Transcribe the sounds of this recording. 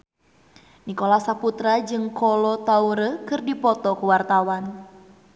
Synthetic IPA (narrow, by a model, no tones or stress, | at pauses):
nikɔlasaput̪ɾad͡ʒɨŋkɔlɔt̪auɾəkɨrdipɔt̪ɔkuwart̪awan